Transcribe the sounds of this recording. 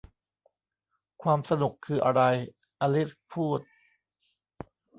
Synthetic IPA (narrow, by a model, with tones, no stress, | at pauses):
kʰwaː˧msa˧nu˨˩kʰːɯː˧ʔa˧ɾa˧j | ʔa˧li˦˥spʰuː˥˩t̪̚